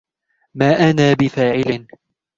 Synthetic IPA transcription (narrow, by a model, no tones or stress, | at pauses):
maːʔanaːbɪfaːʕɪlɪn